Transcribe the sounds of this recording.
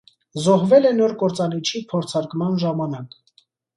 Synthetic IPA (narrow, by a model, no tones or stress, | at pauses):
zɔɦvɛlɛnɔɾkɔɾt͡sɑnit͡ʃʰipʰɔɾt͡sʰɑɾkmɑnʒɑmɑnɑk